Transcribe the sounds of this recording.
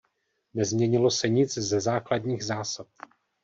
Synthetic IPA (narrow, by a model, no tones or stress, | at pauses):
nɛzmɲɛɲɪlo̞sɛɲɪt͡szɛzaːkladɲiːɣzaːsap̚